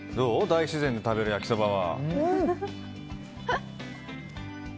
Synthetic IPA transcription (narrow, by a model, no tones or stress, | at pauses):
d̪oːd̪aiɕizẽnd̪e̞t̪abe̞ɾɯjakʲi̥sobaβa̰